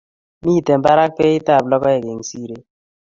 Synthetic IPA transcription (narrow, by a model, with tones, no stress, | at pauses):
mi˦˨te˨mba˦ɾa˦k̚pe˦i˦ta˦˨plɔ˦kɔ˦ɛ˨ɡe˨ŋsi˦ɾe˦